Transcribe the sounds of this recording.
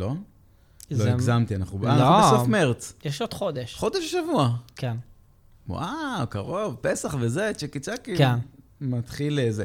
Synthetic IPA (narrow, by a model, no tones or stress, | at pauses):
lo̞ | zoiɡzamt̪ianaχnubanauesaχmeʁt͡sjeʃod̪̥χod̪eʃχo̞d̪eʃʃavuakʰen | wa̰wkaʁo̞vpesaχvezet͡ʃekit͡sakiken | mat̪χileze